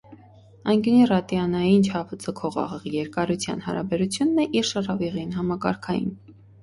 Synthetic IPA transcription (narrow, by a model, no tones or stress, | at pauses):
ɑjnɡənirɑt̪jɑnɑjint͡ʃʰɑpʰət͡səkʰɔʁɑ̰ʁəʁjɛɾkɑɾut͡sʰjɑ̰n̪hɑ̰ɾɑ̰bɛɾut͡sʰjunːɛʔiɾʃərɑviʁinɦɑmɑkɑ̰ɾkʰɑjḭn